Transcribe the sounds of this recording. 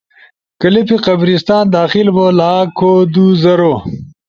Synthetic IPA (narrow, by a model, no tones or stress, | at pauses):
kɐlipiqɐbɾist̪aːnd̪aːxilbolaːkʰod̪uzɐɾo